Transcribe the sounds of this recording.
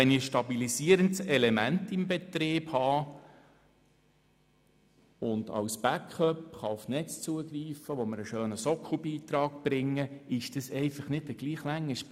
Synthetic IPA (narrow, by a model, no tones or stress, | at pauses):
ɛnɪʃtɑbilisiəɾəndsɛlɛmæntɪmbɛt̪ɾɪːb̥hɑː | ʊndɑ̰wsb̥ækχœpχɑʊfnɛt͡st͡suəɡɾiːfəʋɔməɾəʃøːnəsɔkχubiːt̪ɾɑːkb̥ɾɪŋːəɪʃd̥əsɛɪfɑχnɪdəɡ̥liːχlæŋːəʃ